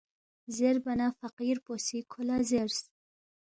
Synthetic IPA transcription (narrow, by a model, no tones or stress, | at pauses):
zeɾbɐnafɐqiɾposikʰolazeɾs